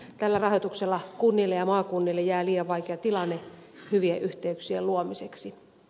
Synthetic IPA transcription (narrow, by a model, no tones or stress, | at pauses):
t̪ælːærɑhot̪ukselːɑkunːilːejɑmɑːkunːilːejæːliːɑʋʋɑikeɑt̪ilɑnːe | hyʋieʔyht̪eyksieluomiseksi